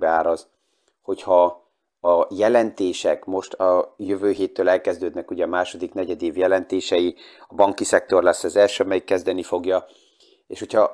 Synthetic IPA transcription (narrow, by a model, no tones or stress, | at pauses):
aːɾɒz | ho̞chɒ | ɒjɛlɛnt̪eːʃɛkmo̞ʃt̪ɒjøvøːɦeːt̪ːøːlɛlkɛzd̪øːd̪nɛkuɟɛːmaːʃo̞d̪ikn̪ɛɟɛd̪eːvjɛlɛnt̪eːʃɛjiɒbɒŋkisɛk̚t̪o̞rlɛsːɛzɛlʃøːɒmɛjikːɛzd̪ɛnifo̞ɡjɒ | ḛːʃho̞cʰhɒ